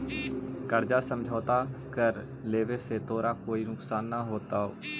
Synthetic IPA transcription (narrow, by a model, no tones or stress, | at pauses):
kəɾd͡ʒasə̃md͡ʒʱaːt̪akəɾ | leːʋeset̪oːɾakoːinʊksaːnːaɦoːt̪aɦo̰ː